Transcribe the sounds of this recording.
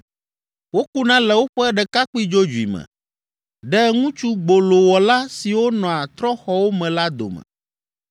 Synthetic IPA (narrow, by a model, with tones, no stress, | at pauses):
wo˦ku˦nã˦lɛ˨wo˦ɸɛ˦ɛ˦ɖɛ˨ka˦k͡pi˦d͡ʒo˦d͡ʒu˨ḭ˨mɛ̰̃˨ | ɖɛ˦ŋũ˦t͡ʃu˦ɡ͡bo˨lo˨wɔ˨la˦si˨wo˦nɔ̃˨a˨t̪ɾɔ˦xɔ˨wo˦mɛ̃˨la˦d̪o̰˨mɛ̰̃˨